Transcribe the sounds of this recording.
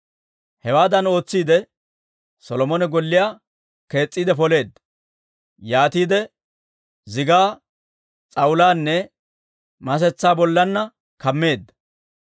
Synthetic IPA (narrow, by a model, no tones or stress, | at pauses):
hɛwaːd̪ɐno̞ːt͡sːiːd̪ɛ | sɔlɔmɔnɛɡɔlːɪjaː | ke̞ːt͡sʼːiːd̪ɛfɔle̞ːd̪ːɐ | jaːt̪iːd̪ɛ | zɪɡaː | t͡sʼɐwʊlaːnːɛ | mɐs̬ɛt͡sːaːbɔlːɐnːɐ | kɐmːe̞ːd̪ːɐ